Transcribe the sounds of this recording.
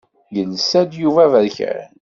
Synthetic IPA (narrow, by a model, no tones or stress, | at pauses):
jənsæd̪juvævəɾçə̰ɾ